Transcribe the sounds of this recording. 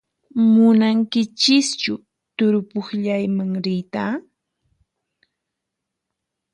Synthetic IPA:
mʊnaŋkɪt͡ʃɪst͡ʃʊ | t̪ʊɾʊpʊχʎajmaŋɾɪjt̪aː

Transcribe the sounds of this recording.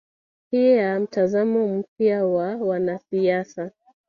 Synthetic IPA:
hiɛam̩tazamɔm̩p̚jawawanasiasa

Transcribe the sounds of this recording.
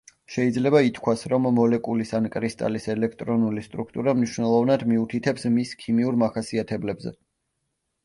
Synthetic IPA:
ʃɛid̪zlɛbait̪ʰkʰwasɾɔmːɔlɛkʼulisankʼɾist̪ʼa̰lisɛlɛk̚ʰt̪ʼɾɔnulist̪ʼɾukʰt̪ʼuɾamniʃwnɛlˠɔvnad̪miut̪ʰit̪ʰɛpsmiskʰimiuɾmaχasiat̪ʰɛblɛbzɛ̰

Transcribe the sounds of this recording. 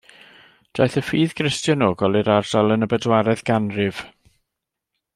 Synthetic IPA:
d̥ajθəfiːðɡrɪstjɔnoːɡɔlˠɨɾard̥alˠənəbədwaɾɛðɡ̥anrɪv̥

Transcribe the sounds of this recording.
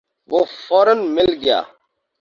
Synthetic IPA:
ʋofoːɾənmɪlɡija̰ː

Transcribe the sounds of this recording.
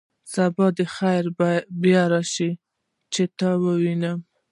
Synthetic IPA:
sabɑd̪əxajɾbjɑɾaʃi | t͡ʃet̪ɑwəwina

